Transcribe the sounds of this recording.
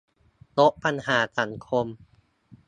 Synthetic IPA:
t̪o˦˥ʔ̚pa˧nɦaː˩˦sa˩˦ŋkʰo˧m

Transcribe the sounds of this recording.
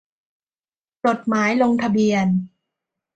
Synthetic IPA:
po˨˩t̪̚maː˩˦jlo˧ŋt̪ʰa˧bi˧ən

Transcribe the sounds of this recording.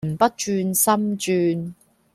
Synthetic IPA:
m̩˨˩pɐ˥t̚t͡ʃyː˧nsɐ˥mt͡ʃyː˧n

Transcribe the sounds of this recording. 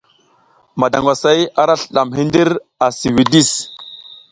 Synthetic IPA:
ma˨da˨ŋɡʷa˨sa˦ja˦ɾa˦ɬə˨ɗa˨mɦi˦ndi˦ɾ | a˨si˨wi˨di˦˨s

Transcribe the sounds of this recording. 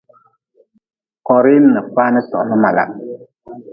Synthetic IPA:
kɔ˨ɾi˦n˦nə˨fa˦nə˦sɔ̰˨nə˦ma˨la̰˨ʔ

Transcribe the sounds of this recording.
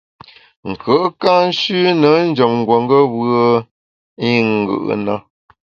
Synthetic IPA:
ŋ̩˨kə˨˦ka˦n̩˦ʃʉ˦nə˨˦n̩˦d͡ʒə˨mŋ̩˨ɡwə˨ŋɡə˦βə˦ | i˦ŋ˨ɡɯ̰˦˨ʔna˦

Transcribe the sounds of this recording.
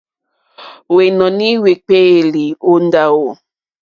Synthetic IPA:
we˨nɔ̃˨ni˦we˨k͡pe˦˨li˨o˦n˦da˦wo˦˨

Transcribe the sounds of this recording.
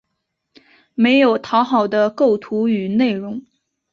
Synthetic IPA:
me˧˥ɪjo˨˩ʊt̪ʰɑ˧˥ʊxɑ˨˩ʊd̪ə˦ko˥˩ʊt̪ʰu˧˥y˨˩ne˥˩ɪɻʊ˧˥ŋ

